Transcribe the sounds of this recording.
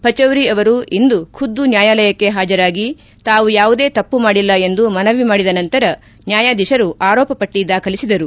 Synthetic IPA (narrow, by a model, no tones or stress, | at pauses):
pɐt͡ʃɐwɾiɐʋɐɾuind̪ukʰud̪ːunjaːjaːlɐjɐkːe̞ɦaːd͡ʒɐɾaːɡi | t̪aːʋujaːʋud̪e̞ːt̪ɐpːumaːɽilːɐe̞nd̪umɐnɐʋːimaːɽid̪ɐnɐnt̪ɐɾɐ | njaːjaːd̪iʃɐɾuʔaːɾɔːpɐpɐʈːid̪aːkʰɐlisid̪ɐɾu